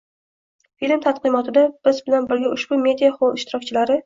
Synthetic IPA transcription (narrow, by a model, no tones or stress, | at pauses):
filmt̪ʰat̪qɨmɒt̪ʰɪd̪ab̥ɪzbɪlanbɪɾɡʲaʊʃb̥ʊme̞d̪ʲijaχolˠɪʃt̪ɪɾɒkʲt͡ʃʰɪlaɾɪ